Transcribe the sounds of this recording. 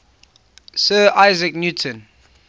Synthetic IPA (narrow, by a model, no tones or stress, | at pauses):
sɜːʔaɪzɪknjutʰə̃n